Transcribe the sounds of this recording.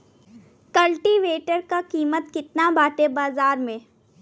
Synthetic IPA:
kɐlʈiʋeːʈəɾkakiːmət̪kɪt̪nabaːʈebaːzaːɾmẽː

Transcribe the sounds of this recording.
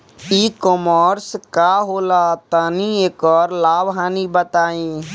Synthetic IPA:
iːkɔːmɔɾskaːɦoːlaːt̪aːnĩeːkɔːɾlaːbɦaːnibət̪aːĩː

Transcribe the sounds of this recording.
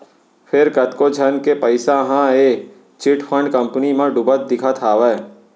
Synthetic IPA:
pʰɪɾkət̪kod͡ʒʱənkepəɪsaɦãeː | t͡ʃɪʈpʰə̃ɳɖkə̃mpnimãɖʊbət̪̚d̪ɪkʰat̪ʰaːʋɛː

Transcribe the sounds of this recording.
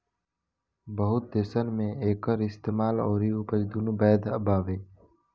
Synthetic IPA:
bəɦʊt̪̚d̪eːsənmẽeːkəɾɪst̪eːmaːlɔ̰ːɾiʊpəɾd̪unubɛːd̪ʱəbʱaːʋeː

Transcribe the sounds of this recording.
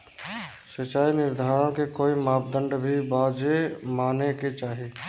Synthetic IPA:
sət͡ʃaːinɪɾd̪ʱaːɾõkekoːimaːpd̪ə̃ɳɖbʱibaːd͡ʒemaːneket͡ʃaːɦi

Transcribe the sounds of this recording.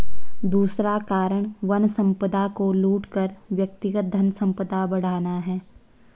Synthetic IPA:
d̪uːsɾakaːɾəɽ̃ʋɐnsə̃mpəd̪akoluːʈkəɾʋjək̚t̪ɪɡət̪̚d̪ʱɐnsə̃mpəd̪abɐɽ̤aːnaɦɛː

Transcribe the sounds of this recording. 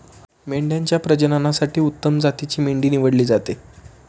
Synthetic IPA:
meɳɖjaɲt͡ɕjapɾəd͡ʑənanasaʈiːut̪ːəmd͡zat̪it͡ɕiːmeɳɖiːniʋəɽliːd͡zat̪e

